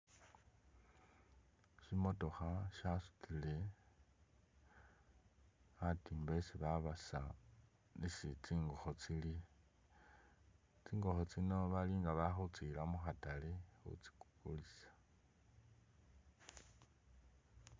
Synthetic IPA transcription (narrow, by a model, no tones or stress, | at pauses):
ʃimo̞to̞xaʃasu̥t͡sile | atiːmbesiβaβasa | nisit͡siːŋɡoxot͡sili | t͡siːŋɡoxot͡sinoβaliːŋɡaβaxut͡silamuxatalexṵt͡si̥ku̥kulisḁ